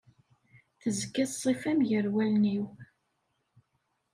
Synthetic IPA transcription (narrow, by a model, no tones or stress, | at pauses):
θəzəkːæθsˤifæmʝəɾwælniw